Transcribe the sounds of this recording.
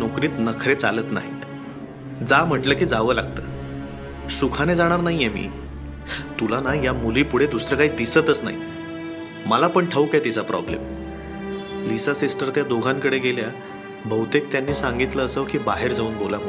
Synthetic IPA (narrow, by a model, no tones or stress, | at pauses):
nokɾiːt̪nəkʰɾet͡salət̪na̰ɦḭt̪ | d͡zam̤əʈləkiːd͡zaʋəla̰ɡ̚t̪əː | sukʰaned͡zaɽ̃aɾnaɦijemḭː | t̪ulanajamuliːpuɽ̤ed̪usɾəkaɦiːd̪isət̪əsna̰ɦḭ | məlapəɳʈʰəukat̪it͡sapɾɔ̰blḛm | lisasisʈəɾt̪jad̪oɡʱaŋkəɽeɡelja | bʱəwt̪ek̚t̪janːiːsãŋɡit̪ləːsəʋkiːbaɦeɾd͡zauːnbʱolam̤ə